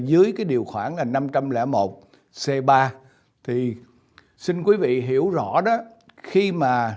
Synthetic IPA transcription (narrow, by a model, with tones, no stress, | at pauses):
zɨ˨˦əjkaː˨˦jɗi˨˩əwxwaː˧˩ŋlaː˨˩na˧mt͡ɕa˧mlɛ̰˧˥mo˨˩t̚ | sɛ˧ɓaː˧ | t̪ʰi˨˩ | si˧nk̬wi˨˦vḭ˧˨ɦi˧˩əwzɔ̰˧˥ɗɔ˨˦ | xi˧maː˨˩